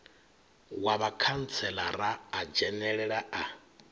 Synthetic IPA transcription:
waβakʰan̩t͡sʰɛlaɾaːd͡ʒɛnɛɺɛɺaa

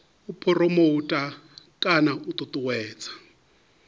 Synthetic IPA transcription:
upʰɔrɔmoutʼa | kʼanaut̪ʼut̪ʼuwɛːt͡sʰʼḁ

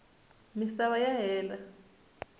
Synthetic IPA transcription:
misaβajaɦɛːla

